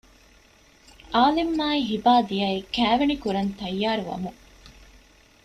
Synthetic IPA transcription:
ʔaːlimːaːiɦibaːd̪iɐikæːʋenikuɾɐnt̪ɐjːaːɾuʋɐ̰mu

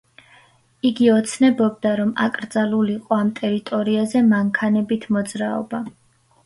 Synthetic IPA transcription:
iɡiɔt̪sʰnɛbɔbd̪aɾɔma̰kʼɾd̪zaluliqʼɔamt̪ʼɛɾit̪ʼɔɾiazɛmaŋkʰanɛbit̪ʰmɔd̪zɾaɔ̰ba

